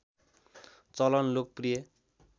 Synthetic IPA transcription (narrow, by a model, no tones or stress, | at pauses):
t͡sʌlʌnlok̚prijʌ